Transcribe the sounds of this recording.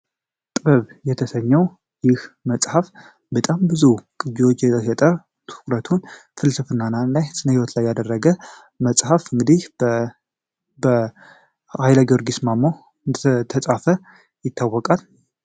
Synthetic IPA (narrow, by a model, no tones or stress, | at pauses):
t̪ʼɨβəβjɛt̪ʰəsəɲːɛw | jɪhməsʼhaf | bət̪ʼambɨzukʼɨd͡ʒiwot͡ʃːjɛt̪ʰəsət̪ʼə | t̪ʰɨ̥kʼɾət̪ʰunfɨlsɨfɨnːanalajsɨnəhiwɔt̪lajːad̪ərːəɡə | məsʼhafɨŋɡɨd̪ih | bə | hajlaɡoɾɡismamːo | ɨd̪t̪ʰəsʼafə | jɪt̪ʰːawːɔkʼal